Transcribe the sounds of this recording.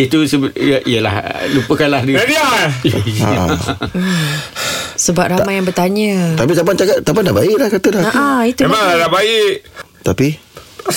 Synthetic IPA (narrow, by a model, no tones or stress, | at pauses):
it̪usəəʔiəla̰hlupəkanlahdiadia | a̰ | səbap̚ramajaŋbərt̪aɲət̪ap̬it̪ampant͡ʃakat̪̚t̪apandabaɪʔlahkat̪ədaaait̪uadabaiʔ | t̪api